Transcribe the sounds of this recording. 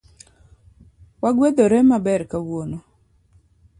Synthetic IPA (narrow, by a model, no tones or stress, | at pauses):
waɡwed̪oɾɛmabɛɾkawwono